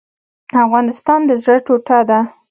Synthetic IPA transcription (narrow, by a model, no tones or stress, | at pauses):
afɣɑnɪst̪ɑnd̪əzɽəʈoʈad̪a